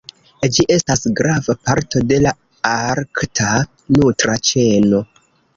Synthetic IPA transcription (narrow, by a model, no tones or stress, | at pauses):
d͡ʒiʔe̞stasɡɾavapaɾto̞de̞la | aɾktʰa | nutɾat͡ʃe̞no̞